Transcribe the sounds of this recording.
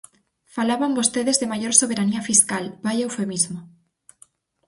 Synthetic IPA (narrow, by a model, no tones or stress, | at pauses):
falaβambost̪eðezðemaʝoɾsoβeɾaniafiskalbajawfemizmo